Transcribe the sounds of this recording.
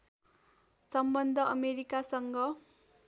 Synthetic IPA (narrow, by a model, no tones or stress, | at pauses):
sʌmbʌnd̪ʱʌʌmeɾikasʌŋɡʌ